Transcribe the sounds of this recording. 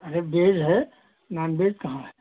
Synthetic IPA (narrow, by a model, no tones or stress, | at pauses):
ɐɾebeːd͡ʒɦɛ | naːnbeːd͡ʒkɐɦãɦɛ